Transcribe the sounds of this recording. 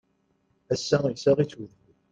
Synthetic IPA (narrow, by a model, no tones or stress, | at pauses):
æsːæsaʁit͡suð